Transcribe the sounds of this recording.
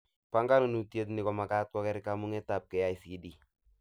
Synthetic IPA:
pa˦ŋɡa˦nu˨nu˨ti˦e˦t̬nɪ˨kɔ˨ma˨ka˦t̚kɔ˦kɛɾɪkamu˦ŋɛ˦ta˨p̚kɛ˨ja˨jsidi˨

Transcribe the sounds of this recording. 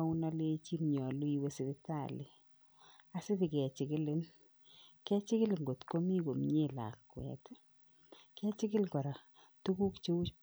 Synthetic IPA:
aʊ˦na˦le˦t͡ʃi˦mɲɔ˨lu˦i˨we˦sɪ˦dɪ˦ta˨lɪ˨ | a˨sɪ˦tɪ˨kɛ˨t͡ʃɪ˨kɪ˦lɪ˦n | kɛ˦t͡ʃɪ˦kɪ˦lŋɡo˨tko˦mi˦ko˨mɲe˦la̰˨lkwɛ̰˨t | kɛ˦t͡ʃɪ˦kɪ˦lkɔ˨ɾa˨ | tu˦ku˦kt͡ʃe˦u˦t͡ʃ

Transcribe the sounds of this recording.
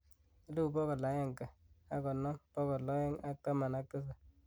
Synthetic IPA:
lu˦˨pɔ˦kɔ˨la˨˦ja˦ŋka˨a˦kɔ˨nɔ˦pɔ˦kɔ˨lɔ˦jɛ˦ŋa˦k̚ta˦ma˨na˦k̚tɪ˦sa˨

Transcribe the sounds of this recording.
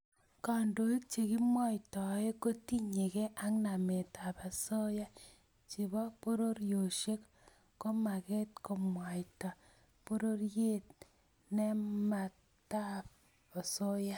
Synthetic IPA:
ka˨ndo˨i˦t̚t͡ʃe˨ki˦mwa˦jtɔ˨˦e˦ko˦ti˦ɲe˨ke˦ʔa˦ŋna˨me˨ta˨pa˨so˦ja˦ | t͡ʃi˨βɔ˦po˦ɾo˦ɾjo˨ʃe˦k | ko˦ma˨ke˦tko˨mwa˨jta˨ | po˦ɾo˦ɾje˦t̚ | ne˦ma˨ | ta˦p̚ | o˨so˦ja˦

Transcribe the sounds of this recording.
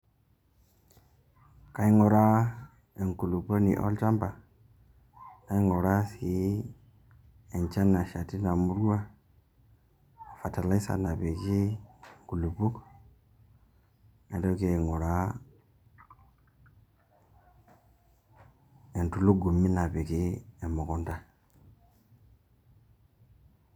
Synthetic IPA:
ka˦i˦ŋo˨ɾa˦ | e˨ŋku˨lu˨po˦nḭ˨ʔo̰˦lt͡ʃa˦mba˨ | ka˦i˦ŋo˨ɾa˦si˨ | e˨nt͡ʃa˦nːa˨ʃa˨ti˦na˨mu˦ɾu˦wa˦ | a˨fa˨ta˨la˦i˦sa̰˨na˨be˨ki˦ɡu˨lu˨bu˦k | e˨do˦ke˨ŋo˨ɾa˦ | e˨ntu˨lu˦ɡu˨mi˦na˨be˨ɡi˦e˨mo˨ko˦nda˦

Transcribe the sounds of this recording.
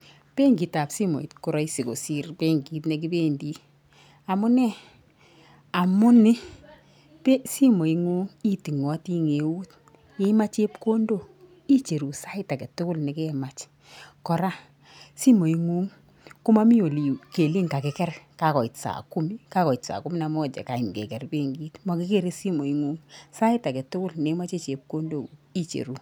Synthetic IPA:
pe˦ŋɡi˨ta˨psi˦mɔ̰˨ḭ˨tku˨ɾɔ˦i˦si˨ko̰˨si˦ɾpe˦ŋɡi˦tnɛ˨ki˦be˦ndi˦ | a˨mʊ˦nɛ˦ | a˨mʊ˦nɪ˦ | pe˦si˦mo˨i˨ŋu˦ŋi˦ti˨ŋɔ˨˦ti˦ŋe˨u˦t̚ | je˦i˦ma˦t͡ʃe˦pko˦ndo˦˨ | i˦t͡ʃe˨ɾu˨sa˦i˦ta˨kɛ˨tʊ˦kʊ˦lnɛ˨kɛ˦˨ma˨t͡ʃ | kɔ˨ɾa˦ | si˦mo˨i˦ŋu˦ŋ | kʊ˦ma˦mi˦o˨li˨ke˨li˦ŋka˨kɛ˨kɛ˦rka˨kɔ˨i˨tsa̰˨ku˦mi˦ka˦kɔ˨i˨tsa̰˨ku˦mi˦na˨mɔ˦t͡ʃɛ̰˨ka˨i˨m˨kḛ˨kɛ˨rbe˦ŋɡi˦tma˨kɪ˦ke˦ɾe˦si˦mo˨i˨˦ŋu˦ŋsa˦ɪ˦ta˨kɛ˨tʊ˦kʊ˦lne˨˦ma˦t͡ʃe˦t͡ʃe˨p̚ko˦ndo˨i˦t͡ʃḛ˨ɾu˨

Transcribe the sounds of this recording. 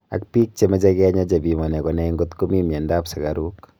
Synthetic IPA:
a̰˨k̚piː˦k̚t͡ʃe˨mɛ˦d͡ʒa˦ɡɛ˦ɲa˦d͡ʒabi˨mɔ˨nɛ˨kɔnɛ˦i˦ŋɡo˦t̪komi˦mjɛ˨ndaː˦psa˨ɡaɾuː˦k

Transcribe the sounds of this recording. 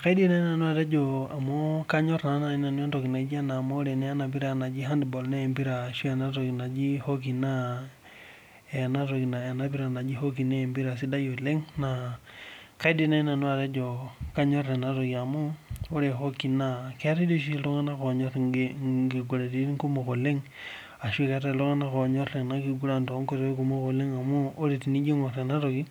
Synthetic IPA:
ka˦di˦na˦i˦na˨nu˦a˨ɾe˦d͡ʒo˨a˨mo˦ka˦ɲo˦ɾna˨˦na˨i˦na˨n˦a˦to˨ki˨na˨˦d͡ʒi˦a˦na˨mo˦ɾe˨ne˦a˦na˨p̬i˦ɾa˦˨na˨d͡ʒi˦ɦa˦ndbo˨lne˦˨mpi˦ɾa˨ʃu˦e˨na˦to˨ki˨na˨d͡ʒi˦ho˦k̬i˨na˦ | e˨na˦ɾo˨ki˨na˨e˨na˦p̬i˦ɾa˨na˨d͡ʒi˦ho˦k̬i˨ne˦˨mbi˦ɾa˨si˦da˦jo˨le˦ŋna˨ | ka˦i˦di˦na˦i˦na˨nu˦a˨ɾe˦d͡ʒo˨ka˦ɲo˦ɾe˨na˦ɾo˨ki˨a˨mo˦o˦ɾe˨ɦo˦ki˨na˦ke˦a˦te˦do˦ʃ̬i˦e˦˨lo˦ŋa˦na˦ko˨ɲo˦ɾɡi˨ɡu˨ɾe˨ti˦ɾi˦ŋku˦mo˨ko˨le˦ŋ | a˨ʃi˦ka˦ta˦˨lo˦ŋa˦na˦ko˨ɲo˦e˨na˦ki˨ɡu˦ɾa˦˨nto˨˦ŋko˦˨ɾo˨˦e˦ku˦mo˦ko˨le˦ŋa˨muː˦ɾe˨ti˨ni˦d͡ʒo˦ŋo˨ɾe˨na˦ɾo˨ɡi˦

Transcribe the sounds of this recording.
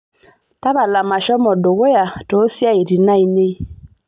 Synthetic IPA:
ta˦βa˨la˨ma˨ʃɔ˦mɔ˨do˨ɣo˦ja˨tɔ˨˦sja˦e˨ɾi˨na˦i˨ne˦

